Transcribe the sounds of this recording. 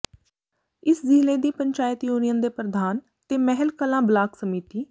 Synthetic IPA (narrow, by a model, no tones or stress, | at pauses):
ɪsziːleːd̪iːpəɲt͡ʃaːjət̪joːnɪjãːd̪eːpɾəd̪ʱaːn | t̪eːmɛɦəlkəlãːblaːksəmiːt̪iː